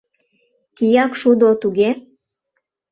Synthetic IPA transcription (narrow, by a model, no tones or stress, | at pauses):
kijɑkʃud̪ot̪uɣe